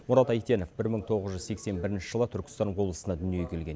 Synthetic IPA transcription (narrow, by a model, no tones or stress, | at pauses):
mʊɾɑt̪ɑjt̪ʲe̞nofbɪɾməɴt̪ʰo̞ʁəzʒʏzse̞kse̞nbɪɾɪnʃɪʒəlˠət̪ʰʏɾkʲɪ̥st̪ɑnwo̞blˠəsənɑd̪ʏnijekʲʰelʲɡʲen